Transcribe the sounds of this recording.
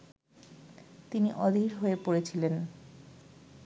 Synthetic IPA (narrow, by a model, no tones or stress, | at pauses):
t̪iniʔɔd̪ʱiɾɦoepoɾet͡ɕʰilen